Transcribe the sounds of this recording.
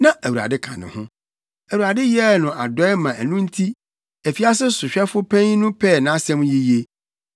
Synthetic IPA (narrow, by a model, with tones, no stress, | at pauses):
nã˦ʔæ˨wu˨ɾa̰˨dɪ˦kʰã̰˨nɪ̰̃˨hʊ̃˦ | æ˨wu˨ɾa˨dɪ˦jɛ˦˨nʊ̃˨a˨dɔ˦ɛ˦mã˨æ˨nũ˦n̩˦tʰi˦ | æ˨fi˨˦a˦sɪ˦sʊ˨ɕᶣɛ˦fʊ˦pʰæ̃˦ɲ˦nʊ̃˦pʰɛ˦˨nã˦sɛ̃˦m̃˦ji˦je˦